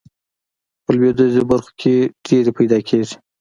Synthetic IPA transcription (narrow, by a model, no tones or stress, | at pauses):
pəlwed̪ozebaɾxo̥kʰʲeɖ̥eɾepajd̪ɑkʰeʐi̥